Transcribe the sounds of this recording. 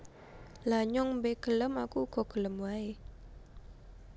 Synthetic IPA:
laɲɔŋbeɡ̥ələmakuɡ̥ɔ̤ɡ̥ələmuae

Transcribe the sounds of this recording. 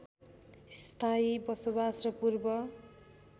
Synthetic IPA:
st̪ʰaibʌsobasrʌpurbʌ

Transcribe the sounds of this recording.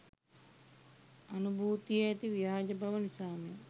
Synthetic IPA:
ɐnubʱuːt̪ijɐjɐt̪iʋiaːd͡ʒɐbʱɐʋɐnisaːmjɐ

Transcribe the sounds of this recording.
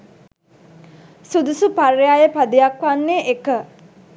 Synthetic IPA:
sud̪usuparjaːjəpad̪ijakʋanːeʔekə

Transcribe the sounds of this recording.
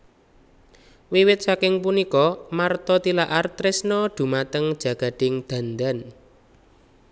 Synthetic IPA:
wiwɪt̪̚sakɪŋpunikɔmart̪ɔt̪ilaʔart̪ɾɪsnɔd̪̥ṳmat̪əŋd̥ʒ̥ä̤ɡ̥a̤d̪̥ɪŋd̪̥a̤nd̪an

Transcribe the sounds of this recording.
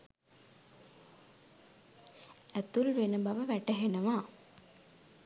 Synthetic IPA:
æt̪ulʋenəbaʋəʋæʈəɦenəʋaː

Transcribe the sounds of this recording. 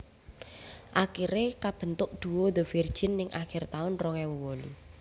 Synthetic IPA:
ʔakiɾekab̥ə̤nt̪ʊʔ̚d̪̥uwɔd̪əvird̥ʒ̥ɪnːɪŋʔaxɪrt̪aʊnrɔŋɛwəwɔlṵ

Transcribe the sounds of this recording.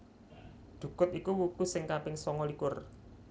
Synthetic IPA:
d̪̥ṳkʊt̪ikuwukusɪŋkapɪŋsɔŋɔlikʊr

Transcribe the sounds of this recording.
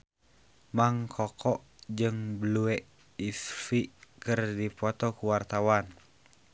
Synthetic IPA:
maŋkʰɔkʰɔʔd͡ʒɨŋbəluɛ | isfikɨrdipɔt̪ɔkuwart̪awan

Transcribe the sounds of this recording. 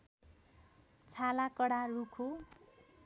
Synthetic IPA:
t͡sʰalakʌɽarukʰo

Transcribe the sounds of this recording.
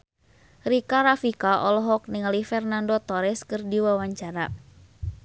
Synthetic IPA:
ɾikaɾafikaʔɔlɔɦɔk̚niŋalifɛrnandot̪ɔɾɛskɨrdiwawaɲt͡ʃaɾa

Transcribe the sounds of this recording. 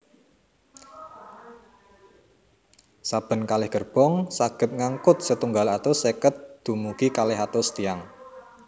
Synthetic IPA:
sab̥ə̤nkalɪhɡ̥ə̤rb̥ɔ̤ŋsaɡ̥ə̤t̪̚ŋaŋkʊt̪̚sət̪uŋɡalat̪osekət̪̚d̪̥ṳmuɡ̥ikalɪɦat̪ost̪iaŋ

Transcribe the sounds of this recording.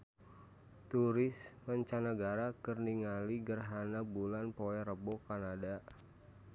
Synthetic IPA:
t̪uɾɪsmaɲt͡ʃanaɡaɾakərniŋaliɡərɦanabulanpoɛɾəbɔkanada

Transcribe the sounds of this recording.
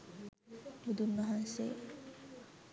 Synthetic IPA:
bud̪unʋɐɦansḛ

